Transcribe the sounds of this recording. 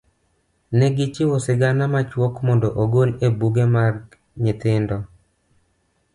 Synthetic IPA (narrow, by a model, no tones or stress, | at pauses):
nɛɡɪt͡ʃɪwosɪɡanamat͡ʃwɔkmɔndɔʔoɡolebuɡemar | ɲɪt̪ɪndɔ